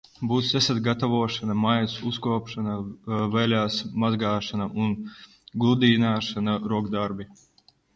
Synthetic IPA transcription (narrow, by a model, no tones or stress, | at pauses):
buːt̪ʲɛsat̪ɡat̪avuɔʃanamajnsuskuɔpʃanavɛlʲaːsmazɡaːʃanaʔun | ɡlˠud̪iːnaːʃanaɾuɔɡd̪aɾbʲi